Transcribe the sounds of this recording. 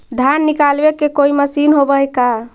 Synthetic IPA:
d̪ʱjanːikalbekekoiməsinɦobəjka

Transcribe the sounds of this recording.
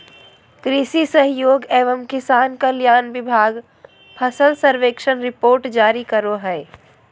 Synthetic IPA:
kɾisisəɦjoːɡeːʋəmkɪsaːnkaljaːnʋɪbʱaːɡ | pʰəsəlsəɾʋeːkʃənɾɪpoːɾʈd͡ʒaːɾikəɾoɦɛː

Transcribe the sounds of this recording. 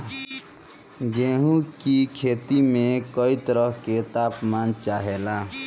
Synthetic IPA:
ɡẽɦũkikʰet̪imẽkəit̪əɾəɦket̪apmant͡ʃaɦela

